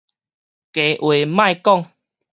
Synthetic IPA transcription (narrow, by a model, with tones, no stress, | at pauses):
ke˨˦ʔwe˨mã˥˧jkɔ˥˦˨ŋ